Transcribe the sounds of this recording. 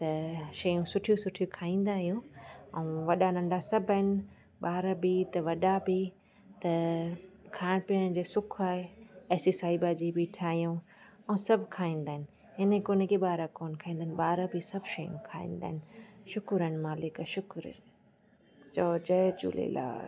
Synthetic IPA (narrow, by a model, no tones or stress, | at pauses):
t̪ɐʃɐjũsʊʈʰijũsʊʈʰijukʰaːĩːn̆d̪aːɦijũɛ̃ʋɐɗanɐ̃ɳɖʱasɐbʱəɦɪnɪ̆ | ɓaːɾabit̪ɐʋɐɗabi | t̪ɐ | kʰaːɪɽ̃pɪəñd͡ʑeːsʊkʰaːɦeɛːsisaːibad͡ʑibiʈʰaːɦijũ | ɛ̃sɐbʱkʰaːĩːnd̪aːɦɪnɪ̆ | ɦɪnekʊnekʰeɓaːɾakoːnkʰaːĩːnd̪aːɪnɓaːɾabisɐbʱʃɐjṵ̃kʰa̰ːḭ̃ːn̆d̪a̰ːɦɪnɪʃʊkɾən̆maːlɪkʃʊkɾə̰ | t͡ɕoːd͡ʑɐt͡ɕṵːlḛla̰ː